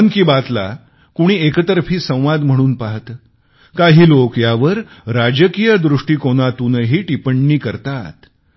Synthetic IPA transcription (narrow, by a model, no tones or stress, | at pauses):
nkiːbat̪la̰ | kuɽ̃iːekət̪əɾfiːsə̃w̃ʋad̪m̤əɽ̃uːnpaɦt̪ə | kaɦiːlokjaʋəɾ | ɾad͡ʑəkijəd̪ɾuʂʈiːkoɽ̃at̪uːnəɦiːʈipəɳːiːkəɾt̪at̪